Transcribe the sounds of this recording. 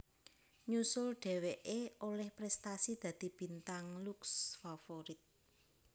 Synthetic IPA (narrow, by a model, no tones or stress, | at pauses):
ɲusʊlɖ̥e̤weʔeolɛhpɾɛst̪asid̪̥ä̤d̪̥i̤b̥i̤nt̪aŋluksfafoɾɪt̪̚